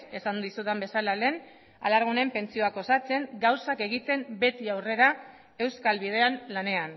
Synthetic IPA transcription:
e̞sand̪isuðembe̞salale̞n | a̰laɾɣ̞une̞mpe̞nt͡sio̞ako̞sat͡se̞ŋɡawsake̞ɣ̞it̪e̞mbe̞t̪iawre̞ɾa | e̞wskalβið̞e̞anlane̞an

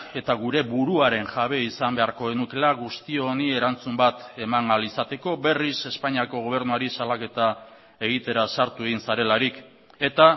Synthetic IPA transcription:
e̞t̪aɣ̞uɾe̞βuɾuaɾe̞nʝaβ̞e̞isambe̞aɾko̞enuke̞laɣust̪io̞nie̞ɾant͡sumbat̪e̞maŋalisat̪e̞ko̞be̞rise̞spaɲiako̞ɣ̞o̞β̞e̞ɾnuaɾisalake̞t̪a | e̞ɣ̞it̪e̞ɾasaɾt̪ue̞ɣinsaɾe̞laɾik | e̞t̪a

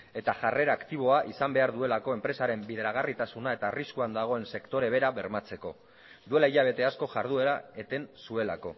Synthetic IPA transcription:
e̞t̪aʝare̞ɾaːkt̪iβ̞o̞aʔisambe̞aɾðue̞lako̞e̞mpɾe̞saɾe̞mbiðeɾaɣ̞arit̪asunae̞t̪aːriskuand̪aɣ̞o̞e̞nse̞kt̪o̞ɾe̞β̞e̞ɾaβe̞ɾmat͡se̞ko̞̰ | d̪ue̞laiʎaβ̞e̞t̪e̞asko̞ʝaɾðue̞ɾaet̪e̞nsue̞lako̞̰

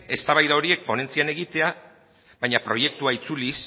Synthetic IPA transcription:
e̞st̪aβajðao̞ɾie̞k̚po̞ne̞nt͡siane̞ɣ̞it̪e̞a | βajɲapɾo̞je̞k̚t̪uait͡sulis

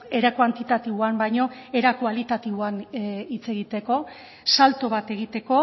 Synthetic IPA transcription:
eɾakwant̪it̪at̪iβoambajɲo̞e̞ɾakualit̪at̪iβoanit͡se̞ɣit̪e̞ko̞ | salt̪oβ̞at̪e̞ɣ̞it̪e̞ko̞

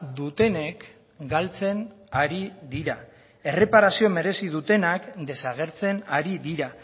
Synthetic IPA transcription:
d̪ut̪e̞ne̞k | ɡalt͡se̞naɾiðiɾa | e̞re̞paɾasio̞me̞ɾe̞sið̞ut̪e̞nakd̪e̞saɣ̞e̞ɾt͡se̞naɾiðiɾa

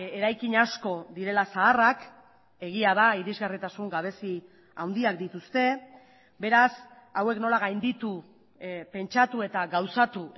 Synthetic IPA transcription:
eɾajkiɲasko̞ðiɾe̞lasaːrak | e̞ɣ̞iaðaiɾizɣarit̪asuŋɡaβ̞e̞si | awnd̪iak̚d̪it̪ust̪e̞ | be̞ɾas | awe̞kno̞laɣajnd̪it̪u | pe̞nt͡ʃat̪ue̞t̪aɣawsat̪u

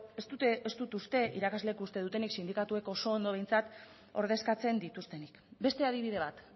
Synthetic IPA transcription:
est̪ut̪est̪ut̪ust̪e̞ʔiɾakazle̞kust̪e̞ðut̪e̞niksind̪ikat̪ue̞ko̞so̞ːnd̪o̞βe̞jnt͡sat̪ | o̞ɾð̞e̞skat͡se̞nd̪it̪ust̪e̞nikbe̞st̪e̞aðiβið̞e̞β̞at̪

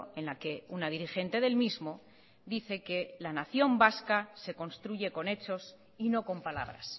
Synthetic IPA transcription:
e̞nlake̞unaðiɾixe̞nt̪e̞ðe̞lmizmo̞ | d̪iθe̞ke̞lanaθjo̞mbaskase̞ko̞nst̪ɾuʝe̞ko̞ne̞t͡ʃo̞s | ino̞ko̞mpala̰β̞ɾa̰s

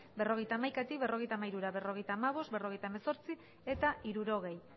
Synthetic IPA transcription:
be̞ro̞ɣejt̪aːmajkat̪ik̚βe̞ro̞ɣe̞jt̪amaiɾuɾaβe̞ro̞ɣe̞jt̪aːmaβ̞o̞st̪̚be̞ro̞ɣ̞e̞jt̪aemeso̞ɾt͡si | e̞t̪aʔiɾuɾo̞ɣ̞e̞j

